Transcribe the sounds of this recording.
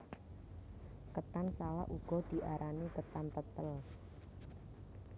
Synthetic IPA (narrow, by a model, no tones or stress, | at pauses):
kət̪ansala̰ʔʔuɡ̥ɔ̤d̪̥i̤ʔaɾʔanikət̪ant̪ət̪əl